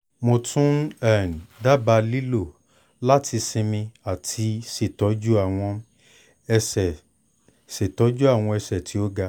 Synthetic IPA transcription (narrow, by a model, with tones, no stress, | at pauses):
mo˧tũ˦n˦ɛ˦˨n˨da˦ba˧li˦lo˦˨ | la˦tʰi˧sĩ˧mĩ˧a˨tʰi˧se˨tɔ˨˦d͡ʒu˦a˦˨w̃ɔ̃˧ | ɛ˧sɛ˨ | se˨tɔ˨˦d͡ʒu˦a˦˨w̃ɔ̃˧ɛ˧sɛ˨tʰi˨˦o˦ɡa˧